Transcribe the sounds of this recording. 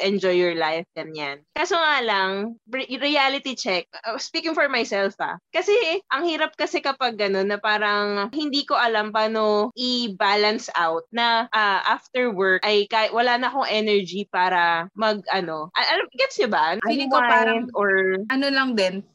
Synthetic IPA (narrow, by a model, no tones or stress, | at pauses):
ʔɛnd͡ʒɔjːɔɹlajfɡɐnjankasoŋaːlɐŋɾɪalɪt̪it͡ʃɛk̚spiːkɪŋfɔɹmajsɛlfa̰kɐsɛʔɐŋhiːɾɐp̚kɐsɛkɐpɐɡ̚ːɐno̞nːɐpaːɾɐŋhɪnd̪iːko̞ʔɐlampaːnoʔɪbaːlɐnsʔa̰wt̪̚nɐʔaʔaft̪ɛɹwɛɹkʔɐjkaɪwɐlaːnɐkoŋʔɛnɛɹd͡ʒipaːɾɐmɐɡ̚ʔɐno̞ʔɐʔɐlɡɛt̪sʊbankajnd̪ʔoɹɐnolɐŋd̪ɛn